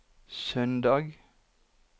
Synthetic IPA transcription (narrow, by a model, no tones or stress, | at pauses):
sœnd̪ɑːɡ